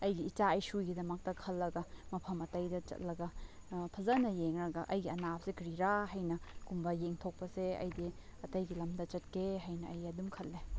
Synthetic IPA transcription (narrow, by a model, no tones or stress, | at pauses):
ɐjɡiːt͡ʃaɐjsujɡidɐmɐk̚tɐkʰɐlːɐɡɐmɐpʰɐmɐtɐjdɐt͡ʃɐ̰t̚lɐɡɐ | pʰɐzɐnɐjeŋɾɐɡɐʔɐjɡiɐnap̚sekɾiɾahɐjnɐkumbɐjeŋtʰok̚pɐseɐ̰jdiɐtɐjɡilɐmdɐt͡ʃɐt̚kʰeɦɐjnɐɐjɐdumkʰɐlːe